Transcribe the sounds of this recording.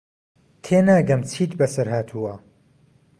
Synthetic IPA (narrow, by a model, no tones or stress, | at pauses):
t̪ʰeːnaːɡɐmt͡sʰiːt̪bɐsɐɾhaːt̪ʰuːwɐ